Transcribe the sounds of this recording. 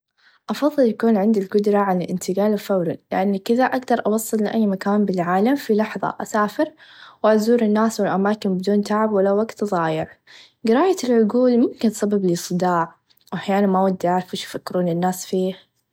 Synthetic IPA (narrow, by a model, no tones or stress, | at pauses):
ʔɑfɑðˤːɨljakuːnʕɪnd̪ilɡʊd̪ɾˤɑʕalalʔɪnt̪ɪɡaːlɪfawɾanlɪ̰ʔanːkɪðaʔaɡd̪ɑɾˤʔɑwɑsˤːɨlːɪʔajːmakaːnbɪlʕaːlamfilɑħðˤɑ̰ʔasaːfɪɾwʔazuːɾɪnːaːswɪlʔamaːkɪnbɪd̪uːnt̪aʕabwɪlːawaɡt̪ðˤɑːjɪɾ | ɡɪɾaːjaɪlʕʊɡuːlmʊmkɪntsˤɑbablisˤɨd̪ɑːʕ | wʔaħjaːnanmawad̪ːiʕaːɾfuʃufakːɪɾuːnɪnːaːsfiːh